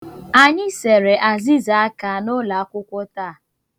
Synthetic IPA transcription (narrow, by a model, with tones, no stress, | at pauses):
a˨ɲɪ˦se˨ɾe˨ʔa˨zi˦za˨a˦ka˨nʊ˦la˨a˦kʷʊ˦kʷʊ˦taː˦˨